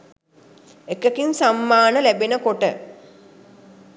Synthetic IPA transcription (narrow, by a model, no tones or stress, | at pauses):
ekəkinsamːaːnəlæbenəkoʈə